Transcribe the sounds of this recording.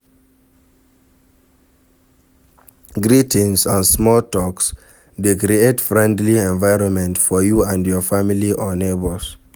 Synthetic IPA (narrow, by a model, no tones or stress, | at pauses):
ɡɹitĩnsə̃nsmɔltɔks | dekɾietfɹɛ̃ndliɛ̃ɱvaɪɹɔ̃nmɛ̃ntfɔjuãndjɔfamiliʔɔnebɔls